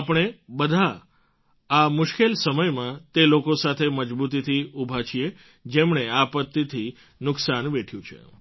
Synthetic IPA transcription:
apɳ̃ebəd̪ʱa | amʊʃkelsəməjmãt̪elokosat̪ʰeməd͡ʒbut̪̬it̪ʰiubʱat͡ʃʰie | d͡ʒemɳeapət̪ːit̪ʰi | nʊksanʋeʈʰjũt͡ʃʰḛ

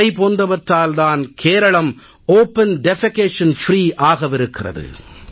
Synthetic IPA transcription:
ɐɪpoːnd̪ɐʋɐʈɾaːld̪aːnkʰeːɾɐɭɐm | oːpːɐnɖɛfɐkeːʂɐnfɾiːʔaːɣɐʋɪɾɯkːɪrɐ̰ðɯ̰

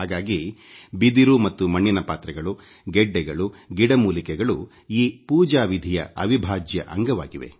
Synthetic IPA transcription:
ɦaːɡaːɡibid̪iɾumɐt̪ːumɐɳːinɐpaːt̪ɾɐɡɐɭu | ɡɛɖːɛɡɐɭuɡiɽɐmuːlikɛɡɐɭu | iːpuːd͡ʒaːʋid̪ʱijɐ̰ɐʋibʱaːd͡ʒjɐ̰ʔɐŋɡɐʋa̰ːɡiʋe̞̰

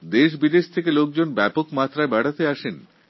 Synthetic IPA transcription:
d̪eʃ̬bid̪eʃt̪ʰekelok̚d͡ʑonbɛpokmat̪ːɾabaɽat̪eaʃen

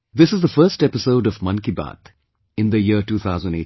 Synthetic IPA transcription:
d̪ɪsɪzd̪əfəːsʈɛpɪsoʊɖɔvmʌ̃nkiba̰ːt̪ | ɪ̃nd̪əjiəʈuːt̪ʰaʊzə̃nɖḛ

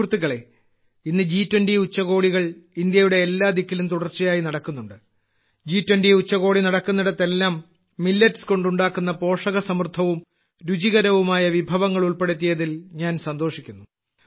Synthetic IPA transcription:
rt̪ːiɣɐɭe̞ | inːɨd͡ʑiːtːwɐnɖiut͡ɕːɐɣo̞ːɽiɣɐɭind̪jɐjuɽe̞ːlːaːd̪ikːilumt̪uɽɐrt͡ɕːijaːjinɐɽɐkːunːuɳɖɨ | d͡ʑiːtwenɖiut͡ɕːɐɣo̞ːɽinɐɽɐkːunːɐɽɐt̪ːe̞lːaːmː | ilːɐtsko̞ɳɖuɳɖaːkːunːɐpo̞ːʂɐɣɐsɐmrt̪ʰɐʋum | ɾud͡ʑiɣɐɾɐʋumaːjɐʋibʱɐʋɐŋːɐɭuɭpe̞ɽɐt̪̬ːijɐðilɲaːnsɐnd̪o̞ːʂikʲːunːu

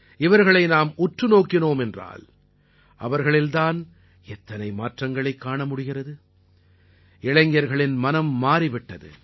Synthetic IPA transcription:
ɪʋɐɾɣɐɭɐɪnaːmʊʈrɯnoːkːɪnoːmɛndra̰ːl | ʔɐʋɐɾɣɐɭɪld̪aːn | ɛt̪ːɐnɐɪmaːʈrɐŋɡɐɭɐɪkːaːɳɐmʊɽɪɣɪrɐðɯ | ɪɭɐŋɡjɐɾɣɐɭɪnmɐnɐmːaːɾɪʋɪʈːɐðɯ̰

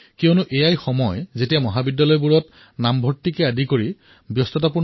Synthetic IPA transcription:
kiɔnʊʔejajxɔmɔjzetijamɔɦabidːalɔjbuɹɔt | nambʱɔtːikɛadʱikoɹi | bjɔstɔtapu

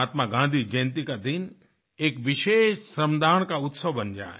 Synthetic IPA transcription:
aːt̪maɡãnd̪ʱid͡ʒɐjnt̪̬ikad̪ɪn | ekʋɪʃeːʃsɾəmd̪ʱaːɳ̃kaʊt̪səʋbənd͡ʒa̰ː

